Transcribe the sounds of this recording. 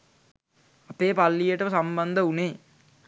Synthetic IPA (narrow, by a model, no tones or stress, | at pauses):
apeːpalːijəʈəʋəsamband̪əuneː